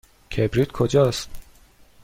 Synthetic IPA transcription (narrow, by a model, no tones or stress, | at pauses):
kʲʰebɾid̪kʰod͡ʒɒːst̪